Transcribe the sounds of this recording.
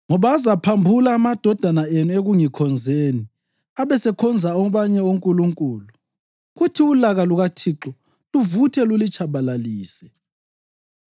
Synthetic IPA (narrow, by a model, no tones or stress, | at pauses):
ŋɔβaːzapʰambʱulaːmad̥ʱɔd̥ʱanaenueɣuŋikʰɔnd͡zʱeːni | aβɛsɛkʰɔnd͡zʱaɔβaɲɛoŋkʼuluŋkʼuːlu | ɣutʰiulaɣaluɣatʰiǁɔ | luvutʰɛlulit͡ʃʼʰaβalaliːsɛ̥